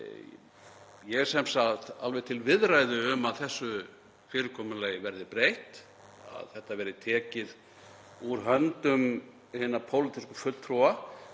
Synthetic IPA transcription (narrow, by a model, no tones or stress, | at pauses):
jɛ̥sɛmsaalvɛðt̪ʰɪlvɪðɾaːjðʏːmaðθɛsːʏ | fɪːɾɪkʰɔːmʏleːjɪvɛɾðɪpɾejht̪ | a̰ðθɛht̪ːavɛːɾɪt̪ʰɛːcɪð | uɾɦœnt̪ʏm | hɪnapʰowlɪt̪ɪskʏfʏlt̪ʰɾua